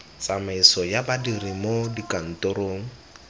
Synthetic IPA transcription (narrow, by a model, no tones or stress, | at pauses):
t͡samaisɔjabadirimodikʼan̩tʊɾoːŋ̩